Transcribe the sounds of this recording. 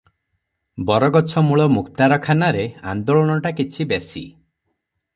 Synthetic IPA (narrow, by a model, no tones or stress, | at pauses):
bɔɾɔɡɔt͡ʃʰɔmuɭɔmukt̪aɾɔkʰanaɾea̰nd̪oɭɔñɔʈakit͡ʃʰibesḭ